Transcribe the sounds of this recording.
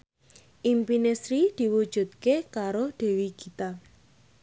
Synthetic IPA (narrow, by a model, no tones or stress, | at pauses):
ʔimpinesɾid̪̥i̤wu̥ʒ̥ṳt̪̚kekaɾod̪̥e̤wikit̪a